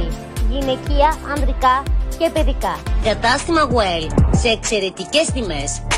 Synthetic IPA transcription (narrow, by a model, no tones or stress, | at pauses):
ʝine̞ciɐɐnd̪ɾikɐce̞peðikɐkɐt̪ɐst̪imɐɣuelse̞ːkse̞ɾe̞t̪ice̞st̪ime̞s